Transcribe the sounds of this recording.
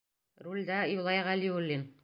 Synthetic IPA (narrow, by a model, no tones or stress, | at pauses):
ɾulʲd̪æjulˠɑjʁælʲiurlʲːin